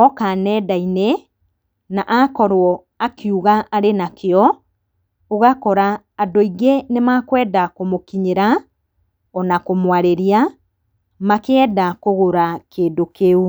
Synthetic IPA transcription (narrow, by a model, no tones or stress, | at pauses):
ɔkanɛdaine | naʔakɔɾwɔ | akjuɣaʔːɾenakeɔ | oɣakɔɾaː | doiɣenemakwɛːdakomokiɲeɾa | ɔnakomwaɾeɾia | makɛɛːdakoɣoɾakeːndokeu